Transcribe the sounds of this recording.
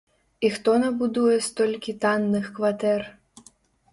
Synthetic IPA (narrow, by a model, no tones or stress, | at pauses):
ixt̪ɔnɐbud̪ujɛst̪ɔlʲkʲit̪anːɨxkvat̪ɛr